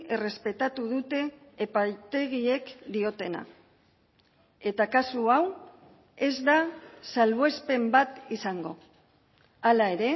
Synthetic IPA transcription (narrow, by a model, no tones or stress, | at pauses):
ere̞spe̞t̪at̪uðut̪e̞ːpajt̪e̞ɣie̞kd̪io̞t̪e̞na̰ | e̞t̪akasuaw | e̞zd̪asalβe̞spe̞mbat̪isaŋɡo̞̰ | alae̞ɾe̞